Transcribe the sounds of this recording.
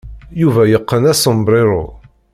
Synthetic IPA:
juvæjəqːənæsəmbɾɪɾˤʊ̰

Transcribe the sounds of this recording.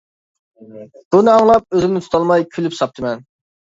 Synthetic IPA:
b̥unɨɑŋlˠɑp̚øzɪmnɪt̪ʰu̥t̪ʰɑlˠmɑjkʲʰylypsɑp̚t̪ʰɨmɛn

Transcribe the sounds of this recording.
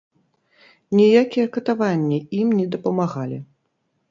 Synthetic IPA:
nʲijakʲijɛkɐt̪avanʲːiimnʲɛd̪ɐpɐmaɣalʲi

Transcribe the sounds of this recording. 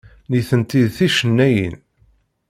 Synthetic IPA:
niθənt̪iðθiʃənːæjə̰n

